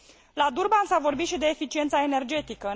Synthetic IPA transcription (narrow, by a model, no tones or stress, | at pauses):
lad̪urbansavo̞rbit̪ʃid̪e̞ːfit͡ʃint̪saene̞rd͡ʒe̞t̪ikə